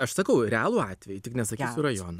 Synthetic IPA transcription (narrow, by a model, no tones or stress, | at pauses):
ɐʃsɐkɐʊɾʲɛæːlˠuːɑːt̪ʲʋʲɛjʊt̪ʲɪknʲɛsɐkʲiːsʲʊrɐjoːnɐ